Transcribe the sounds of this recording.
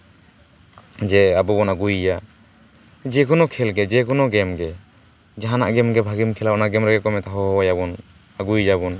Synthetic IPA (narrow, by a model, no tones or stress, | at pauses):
d͡ʒɛabɔbɔnaɡujja | d͡ʒɛkɔnɔkʰɛlɡɛd͡ʒɛkɔnɔɡɛmɡɛ | d͡ʒaɦana̰ʔɡɛmɡɛbʱaɡimkʰɛlabɔnaʔɡɛmɾɛɡɛkɔmɛt̪aɦɔɦɔjabɔn | aɡujd͡ʒabɔn